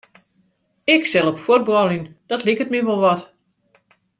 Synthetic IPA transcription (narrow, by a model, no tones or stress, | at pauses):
ɪksɛlˠɔpfot̚bɔlˠind̥ɔtlikət̚miʋɔlˠʋɔt